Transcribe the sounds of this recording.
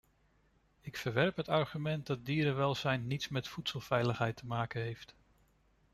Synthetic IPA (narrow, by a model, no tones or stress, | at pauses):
ɪkfəɹʋɛɹpɦətɑɹχymɛnt̚dɑt̚diːɾəʋɛlˠzɛjnːitsmɛtfutsəlˠvɛjləχɦɛjtʰəmaːkənɦejft